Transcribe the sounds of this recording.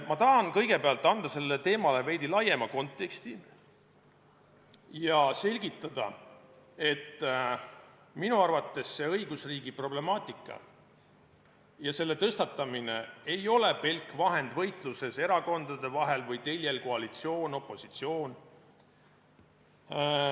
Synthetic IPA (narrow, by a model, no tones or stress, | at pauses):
mɑt̪ɑɦɑnkɤ̞jɡ̥e̞peɑlt̪ːˑɑnd̪̥ɑse̞lːet̪e̞ːmɑle̞ve̞jd̪̥ilɑje̞mɑko̞nt̪ːˑe̞kst̪i | jɑse̞lʲɡit̪ːˑɑd̪̥ɑ̰ | e̞t̪ː | minuɑrvɑt̪ːe̞sːe̞ɤjɡ̥usriːɡipro̞ble̞mɑːt̪ˑikːˑɑ̰ | jɑse̞lːe̞t̪ɤst̪ɑt̪ːˑɑmine̞ejo̞le̞pe̞lkːˑvɑɦe̞nd̪vɤ̞jt̪ˑluse̞se̞ɾɑko̞nd̪ɑd̪̥e̞vɑɦe̞lvɤjt̪e̞lʲjelko̞ɑlit̪sio̞ːno̞pːˑo̞sit̪sio̞ːn